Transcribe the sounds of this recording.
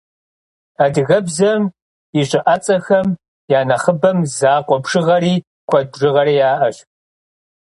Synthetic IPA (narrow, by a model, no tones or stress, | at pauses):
ɐdɣɐbzɐm | iɕʼɪʔɐt͡sʼɐxɐm | jaːnɐχəbɐmzaːqʷʼɔbʂɨʁɐɾiː | kʷʰɔdʐɨʁɐɾiːjaːʔɐɕ